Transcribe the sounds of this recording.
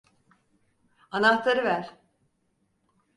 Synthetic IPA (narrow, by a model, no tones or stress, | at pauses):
anaht̪aɾɯvæɾ̥